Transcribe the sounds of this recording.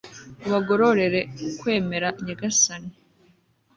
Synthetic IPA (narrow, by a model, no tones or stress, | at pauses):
uβaɡo̞ɾoɾe̞ɾe̞kwe̞ːme̞ɾaɲaɡasani